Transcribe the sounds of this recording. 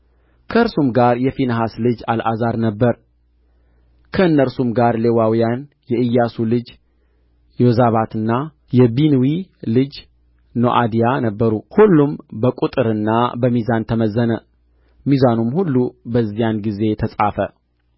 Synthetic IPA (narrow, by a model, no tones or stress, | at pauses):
kʰəɨɾsumɡaɾjɛfinəɦaslɨd͡ʒa̰lʔazaɾnəbːəɾ | kʰəɨnːəɾsumɡaɾlewawijan | jɛʔɨjːasulɨd͡ʒ | jɛozaβat̪ɨnːa | jɛbinwilɨd͡ʒ | no̰ʔad̪ijanəbːəɾuhulːumbəkʼut̪ʼɨɾɨnːabəmizant̪ʰəməzːənə | mizanumhulːubəzːijanɡize̞t̪ʰəsʼafə